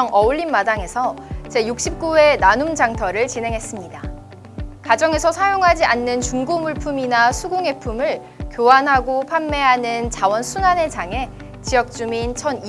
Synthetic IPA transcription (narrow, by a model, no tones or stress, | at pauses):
ŋʔʌuɭːinmadaŋe̞sʰʌt͡ɕe̞juk̚ɕ͈ip̚k͈ue̞nanumd͡ʑaŋtʰʌɾɯɭt͡ɕine̞ŋɦe̞s͈ɯmɲida | kad͡ʑʌŋe̞sʰʌsʰajoŋɦad͡ʑianːɯnt͡ɕuŋɡomuɭpʰuminasʰuɡoŋe̞pʰumɯɭ | kjowanɦaɡopʰamːe̞ɦanɯnt͡ɕawʌnsʰunane̞d͡ʑaŋe̞ | t͡ɕiʌk̚t͡ɕ͈umint͡ɕʰʌn